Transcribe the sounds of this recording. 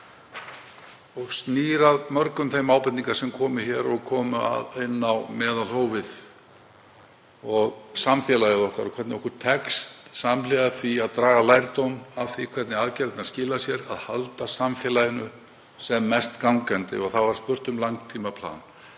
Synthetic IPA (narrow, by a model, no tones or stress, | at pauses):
ɔɣst̪niːɾaðmœɾkʏmθejmaːwpɛnniŋkasɛmkʰɔːmɪçɛːɾɔɣkʰɔːmʏa̰ðɪnːawmɛːðalhoːwvɪð | ɔɣsamfjɛlajɪðɔhkaɾɔkʰvɛt̪nɪɔhkʏɾt̪ʰɛkst̪samlɛːɣaθiaðt̪ɾaːɣalajɾt̪ownafθikʰvɛɾt̪nɪaðcɛɾt̪naðscɪːlasjɛɾa̰ðhalt̪asamfjɛːlajɪnʏ | sɛmːɛst̪kawŋkɛnt̪ɪ̰ɔɣθavaɾ̥spʏr̥t̪ʏmlaŋkt̪ʰiːmapʰl̥a̰ːn